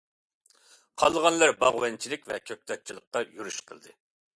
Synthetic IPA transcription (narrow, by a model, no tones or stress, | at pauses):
qʰɑlˠːəʁɑnlˠɑɾbɑʁwɛnt͡ʃʰilɪkʲvɛ̰kʲʰøk̚ʲt̪ɛt̪̚t͡ʃʰilˠəqːɑjyɾyʃqʰə̰lˠd̪ɨ